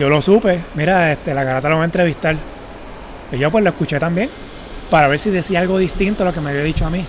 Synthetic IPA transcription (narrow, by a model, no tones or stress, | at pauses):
o̞lo̞supe̞miɾaest̪e̞laɣaɾat̪aloβaent̪ɾe̞βist̪al | iʝopwe̞sloeskut͡ʃe̞t̪ambje̞ŋ | paɾaβe̞ɾsiðe̞siaalɡo̞ðist̪int̪o̞lo̞ke̞meaβjaðit͡ʃoami